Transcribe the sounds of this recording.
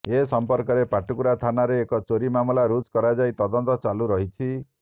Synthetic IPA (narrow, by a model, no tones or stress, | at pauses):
esɔmpɔɾkɔɾepaʈukuɾat̪ʰanaɾeːkɔt͡ʃoɾimamɔlaɾud͡ʒkɔɾad͡ʒajt̪ɔd̪ɔnt̪ɔt͡ʃaluɾɔɦit͡ʃʰi